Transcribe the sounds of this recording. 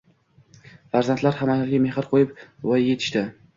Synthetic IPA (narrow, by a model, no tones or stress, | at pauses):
faɾzant̪laɾhamaalɡʲame̞hɪɾqʰojɪpvɒje̞t̪ʰɪ̥ʃt̪ɪ